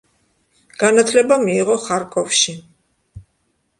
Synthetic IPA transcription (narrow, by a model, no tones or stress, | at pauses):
ɡ̥anat̪ʰlɛbamiːʁɔχaɾkʼɔfʃi